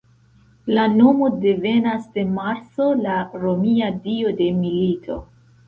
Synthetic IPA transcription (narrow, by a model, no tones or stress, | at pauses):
lano̞mo̞de̞ve̞nasde̞maɾt͡so̞laɾo̞miadio̞de̞militʰo̞̰